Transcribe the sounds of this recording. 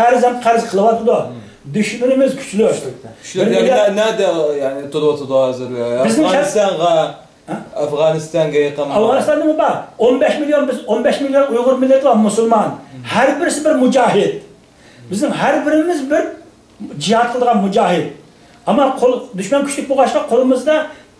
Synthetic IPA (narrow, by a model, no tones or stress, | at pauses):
æɾɪzhɛmt̪qʰæɾɪzqʰəlˠɨwɑt̪ɨd̪u | d̪yʃmynɪmɪzkʲʰy̥t͡ʃlɪɑʃt̪ɪ̥ɪɪɛnɛd̪ɛjanɪt̪ʰʊɾˠwɑt̪ʰɨd̪ʊhɑzɪɾbɪznɪŋst̪ɑnʁɑ | æfʁɑnɨst̪ɑŋɡʲɛjəqənɑfʁɑnɨst̪ɑnːɨmɨzbɑonbɛʃmilijonbɪzonbɛʃmilijonujʁʊɾmɪlːet̪lˠɑmusulˠmɑnhæɾbɪɾɪsɪbɪɾmud͡ʒɑːɦɪd̪̚ | bɪznɪŋɦæɾbɪɾɪmɪzbɪɾ | d͡ʒihɑt̪̚qʰəlˠd̪əʁɑnmud͡ʒɑːɦɪd̪̚ | ɑmːɑqʰolˠd̪yʃmɛnkʲʰy̥t͡ʃʰlɪk̚ʲboʁɑʃqɑqʰolˠɨmɨzd̪ɑ